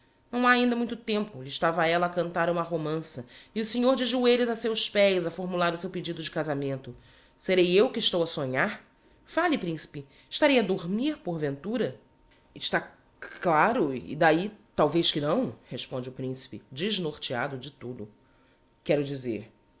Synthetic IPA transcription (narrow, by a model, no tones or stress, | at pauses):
nɐ̃w̃aaĩnd̪ɐmũj̃t̪ʊt̪ẽmpʊlɪʃt̪avɐɛlɐːkɐ̃nt̪aɾũmɐɦomɐ̃sɐiʊseɲoɾd͡ʒɪʒueʎʊzasewspɛjzɐfoɾmulaɾʊsewped͡ʒid̪ʊd͡ʒɪkazamẽnt̪ʊ | seɾejewkɪːʃt̪owɐsoɲaɾ | falɪpɾĩsi̥pɪ | ɪʃt̪aɾejɐd̪oɾmiɾpoɾvẽnt̪uɾɐ | ɪʃt̪a | klaɾʊɪ̰d̪ait̪awveʃkɪnɐ̃w̃heʃpõd͡ʒɪʊpɾĩsi̥pɪd͡ʒiʒnoɾt͡ʃia̰d̪ʊd͡ʒɪt̪ud̪ʊ | kɛɾʊd͡ʒizḛɾ